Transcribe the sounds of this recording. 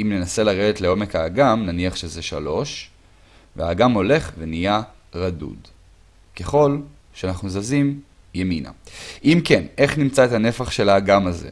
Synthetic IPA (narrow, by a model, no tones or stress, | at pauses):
imne̞nase̞laʁe̞detleo̞me̞kaːɡamnaniaχʃe̞zeʃa̰lo̞ʃ | vea̰ːɡamo̞le̞χvenija | ʁadṵd | keχo̞l | ʃeanaχnuzazim | jemina̰ʔimke̞ne̞χnimt͡saet̪ane̞faχʃe̞laːɡamazḛ